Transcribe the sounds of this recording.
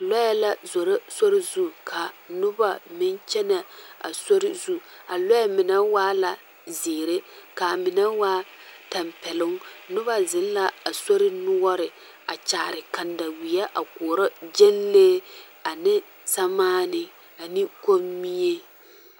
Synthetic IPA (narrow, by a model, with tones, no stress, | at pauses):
lɔ˦jɛ˦la˦zo˨ɾa˦so˦ɾɪ˦zu˦kʰa˨nʊ˦ba˨mɪ˦nt͡ʃɛ˦na˨a̰˨so˦ɾɪ˦zu˦ | a˨lɔ˦jɛ˦mɪ˨nɛ˦waː˦la˨ | zeː˨ɾe˦ka˨mɪ˨nɛ˦waː˦ | ta˨mpɛ˨lʊ˦ŋnʊ˦βa˦zɪ˨n˦la˦a˨so˦ɾɪ˦nʊ˦ɔ˦ɾɪ˨ | a˨t͡ʃaː˨ɾɪ˨ka˨nda˨wi˨jɛ˦ʔa˨kɔ˨ɾɔ˦d͡ʒe˦nleː˦ | a˨nɪ˦ | sa˦maː˦nɪ˨ | a˨ni˦ko˦mi˦e˦